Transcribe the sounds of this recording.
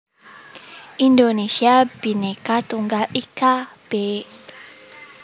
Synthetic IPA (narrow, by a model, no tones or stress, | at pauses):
ʔindonesiabinekat̪uŋɡalikab̥e